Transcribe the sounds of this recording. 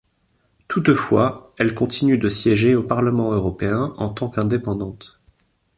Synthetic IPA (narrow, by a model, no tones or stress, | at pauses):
t̪ut̪fwaɛlkɔ̃t̪inyd̪əsjɛʒeopaʁləmɑ̃øʁɔpeɛ̃ʔɑ̃t̪ɑ̃kɛ̃d̪epɑ̃d̪ɑ̃t̪